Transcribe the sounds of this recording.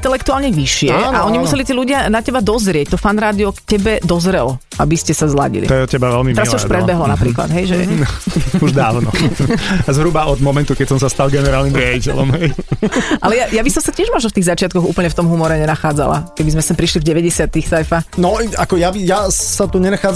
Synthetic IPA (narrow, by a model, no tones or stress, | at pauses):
nt̪ɛlɛkt̪uaːlɲɛʋiʃɪɛaʔaʔɔɲimusɛlit̪iːluɟɪanacɛbad̪ɔzɾɪɛc̚t̪ɔfanɾaːd̪iɔkcɛbɛd̪ɔzɾɛlɔ | ʔabiscɛsazla̰ɟḭlḭt̪ɔjɛcɛbaʋɛlmit̪ɛɾalːauʃpɾɛdɦ̪bɛɦlɔnapɾiːkla̰d̪ɦɛjʒɛ̰ | uʒd̪aːʊnɔ | azɦɾubaɔd̪mɔmɛnt̪ukɛcsɔmsast̪alɡɛnɛɾaːlnimɾɪaɟicɛ̰lɔmɦɛjʔalɛjajabisɔmsacɪɛʒmɔʒn̩ft̪iːɣzat͡ʃɪat̪̚kɔɣṵːpl̩ɲɛft̪ɔmɦumɔɾɛɲɛnaxaːd͡za̰la̰kɛbizmɛsɛmpɾiʃlivɟɛʋɛɟɛsɪat̪ixsajfanɔakɔjabijasat̪uɲɛnaxaːd͡z